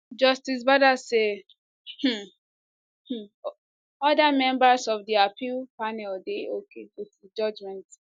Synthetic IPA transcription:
d͡ʒʌstis̬badase | h̩ | h̩ | ɔdamɛ̃mbasɔfdiapʰilpanɛldeokʰedotd͡ʒɔd͡ʒmɛ̃nt

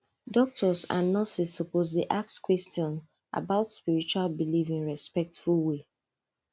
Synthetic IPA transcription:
dɔk̚tʰɔsa̰nːɔsisːɔpozdiʔak̚skwɛstɔ̃n | ʔa̰baʊtspiɹit͡ʃwalbilifĩnɹɛspɛk̚tfulwe

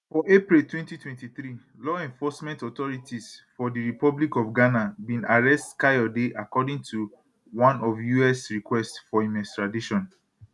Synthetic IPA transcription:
fɔʔepɹiltwɛ̃ntitʰwɛ̃ntiθɹi | lɔɛ̃ɱfɔsmɛ̃ntɔt̪ɔɹitisfɔdiɹipɔblikɔfɡanabĩnaɹɛstkajɔdeʔakɔdĩŋtʰu | wãnɔvjuɛsɹikwɛstfɔimɛstɹadiʃɔ̃n

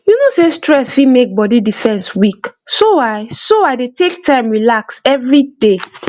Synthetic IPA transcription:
junosestɹɛsfimek̚bɔdidifɛ̃nswiksowaɪsoaɪdetʰek̚tʰãɪ̃mɹilaksɛvɹide

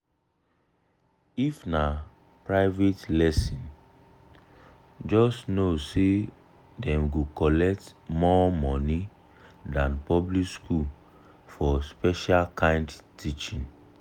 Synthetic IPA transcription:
ifna | pɹaɪvetlɛsĩn | d͡ʒɔstnose | dɛ̃mɡukɔlɛk̚tmɔmɔni | dãnpɔblikskul | fɔspɛʃalkãɪ̃ndtʰit͡ʃĩn

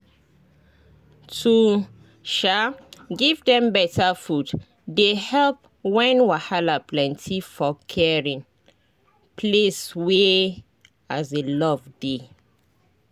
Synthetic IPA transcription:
tʰu | ʃaɡivdɛ̃mbɛtafud | dehɛlp̚ | wɛ̃nwahalaplɛ̃ntʰifɔkʰɛɹĩn | pʰleswe | azelɔvde

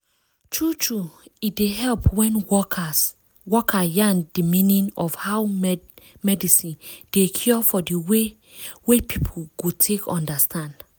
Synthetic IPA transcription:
tʰɹutʰɹuitdeɦɛlpwɛ̃n | wɔkʰajãndimĩnĩnɔfhaw | mɛdisĩnd̥ekʰjɔfɔdiwe | wepʰipʰoɡ̥otʰekʰɔ̰̃ndastʰãnd

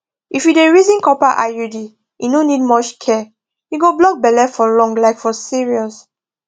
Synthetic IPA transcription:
ifjudeɹizĩnkɔpaʔa̰judi | inonid̚mɔt͡ʃkʰɛ | jiɡoblɔk̚bɛlɛfɔlɔ̃ŋɡlaɪkfɔsiɹiɔs

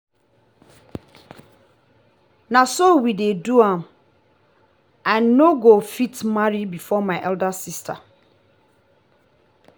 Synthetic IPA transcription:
nãsowideduãm | ãnːoɡofitmaɹibifɔmãɪʔɛldasistʰa̰

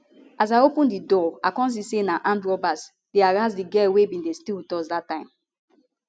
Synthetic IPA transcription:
as̬ajopũndidɔakɔ̃ns̬isenãʔãndɹɔbas | d̥eaɹasdiɡɛwebĩndestiltɔsdatːãɪ̃m

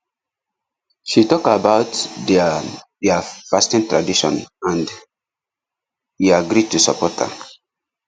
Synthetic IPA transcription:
ʃitɔkabaʊtdɛadiafastĩntɹadiʃɔ̰̃nãnd | hiaɡɾid̚tusɔ̰pɔtə̰

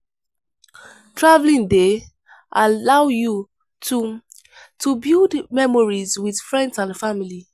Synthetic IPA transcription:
tʰɹavlĩnde | ʔalawju | tʰu | tʰubildmɛmɔɹizwið̥fɹɛ̃ndsãndfamili

